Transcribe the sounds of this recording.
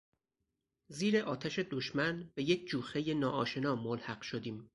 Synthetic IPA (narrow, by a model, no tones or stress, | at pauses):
ziːɾeʔɒːt̪ʰæʃe̞d̪oʃmænbejecʰd͡ʒuːxe̞jenɒːʔɒːʃe̞nɒːmolhæɢʃod̪iːm